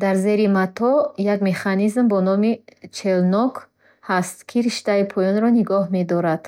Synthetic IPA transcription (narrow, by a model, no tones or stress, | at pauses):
d̪aɾze̞ɾimat̪ʰɔjaɡme̞χanizmbɔnɔmit͡ʃʰe̞lnɔk | hast̪kʰiɾiʃt̪aipʰɔjɔnɾɔniɡɔɦme̞d̪ɔɾad̪̥